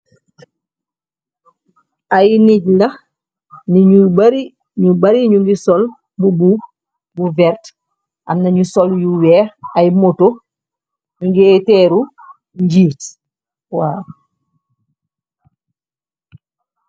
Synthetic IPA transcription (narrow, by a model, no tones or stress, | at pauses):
ajniɟlɐ | niɲubaɾi | ɲubaɾiɲuŋɡisɔl | bubu | buvɛɾt | ʔa̰mnɐɲusoljuwɛːajmoto | ɲuŋɡeːtɛːɾu | ɲɟiːt | waː